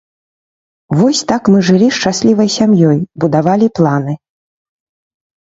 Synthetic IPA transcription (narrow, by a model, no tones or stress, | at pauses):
vɔsʲt̪akmɨʐɨlʲiʂt͡ʂasʲlʲivɐjsʲamjɔjbud̪avalʲiplˠanɨ